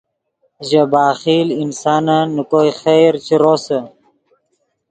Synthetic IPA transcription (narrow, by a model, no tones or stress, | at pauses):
ʑɐbaːxiːlinsaːnanːukoːjxeɾt͡ɕʰiɾoːsɐ